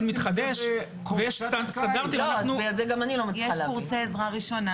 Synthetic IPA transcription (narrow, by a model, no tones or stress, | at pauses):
nmit̪χad̪eʃ | vejɛʃst̪anst̪and̪aʁt̪ilmananubejadzeɡamanilomajeʃlkuʁseːzʁaʁiʃo̞na